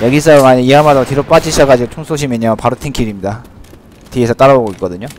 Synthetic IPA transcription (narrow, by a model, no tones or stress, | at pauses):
jʌɡisʰʌmaɲiiɦamadʌtiɾop͈ad͡ʑiɕʰaɡad͡ʑiɡot͡ɕʰoŋsʰoɕ̬ʰimʌɲopaɾotʰeŋkʰiɾimɲida | tiesʰʌt͈aɾaboɡoik͈ʌdɯɲo